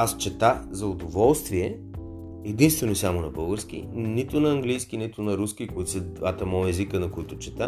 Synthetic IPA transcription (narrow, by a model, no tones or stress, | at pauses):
ast͡ʃɛt̪azɐʊd̪ovɔlˠst̪viɛ | ɛd̪inst̪vɛnosamonɐbɤlˠɡəɾsk̟ḭnit̪ʊnɐɐŋɡlijsk̟init̪ʊnɐɾusk̟ikʊit̪sɛd̪vat̪əmɔjɛzikənɐkoit̪ʊt͡ʃɛt̪a